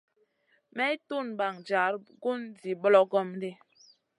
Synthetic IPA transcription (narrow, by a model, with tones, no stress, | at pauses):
mɛ˦tu˦˨nba˨ŋd͡ʒa˨˦ɾɡu˦ndi˨ɓɔ˦lɔ˦ɡɔ˦m˦de˦